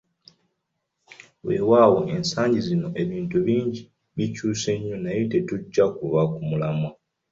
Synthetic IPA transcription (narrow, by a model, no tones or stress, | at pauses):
we̞ːwaːwo̞ʔe̞nsaːɲɟizino̞ʔe̞βiːntuβiːɲɟi | βicuːse̞ɲːonajo̞te̞tuɟːakuβakumulama